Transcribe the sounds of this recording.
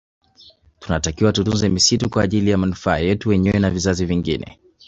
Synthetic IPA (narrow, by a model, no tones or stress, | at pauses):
tunatakiwatutunzɛmisitukwaːʄilijamanufaːjɛtuwɛɲɛwɛnavizaziviŋɡḭnɛ̰